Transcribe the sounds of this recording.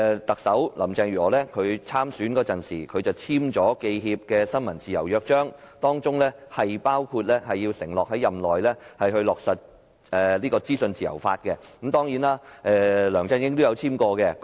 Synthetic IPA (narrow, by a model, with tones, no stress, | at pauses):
t̪ɐ˨k̚sɐ˨˥wlɐ̰˨˩mt͡sɛː˧ŋjyː˨˩ɔː˨˩lɛ˥kʰɵ˨˧ɥt͡sʰaː˥msyː˨˥nkɔː˧t͡sɐ˨˩nsḭː˨˩kʰɵ˨˧ɥt͡sɐ˨˩wt͡sʰiː˥mt͡sɔː˨˥ke˧jɦiː˧p̚kɛː˧sɐ˥nmɐ˨˩nt͡siː˨jɐ̰˨˩wjœː˧k̚t͡ʃœː˥ŋ | t̪ɔː˥ŋt͡sʊ˥ŋlɛ˥hɐ˨jpaː˥wkʰuː˧t̚lɛ˥hɐ˨jːiː˧wsɪ˨˩ŋlɔː˨k̚ɦɐ˨˥jɐ˨mlɔː˨jlɛ˥hɐ˨jɦɵ˧ɥlɔː˨k̚sɐ˨t̚ | ɛː˨liː˥kɔː˧t͡siː˥sɵ˧nt͡siː˨jɐ̰˨˩wfaː˧t̚kɛ˧kmt̪ɔː˥ŋjiː˨˥naː˥ʔɛː˨˧lœː˨˩ŋt͡sɐ˥˧nkɪ˥ŋt̪o˥jɐ˨˧wt͡sʰiː˥mkɔː˧kɛ˧